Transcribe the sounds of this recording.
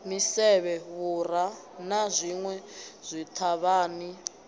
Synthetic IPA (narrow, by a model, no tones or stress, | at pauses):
misɛβɛβuɾa | nazʷiŋwɛz̥ʷit̪ʰaβaːni